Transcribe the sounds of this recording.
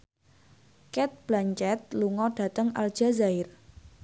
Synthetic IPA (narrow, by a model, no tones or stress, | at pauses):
kɛt̪̚b̥laɲt͡ʃɛt̪̚luŋɔɖ̥a̤t̪əŋa̰ld̥ʒ̥a̤zaɪr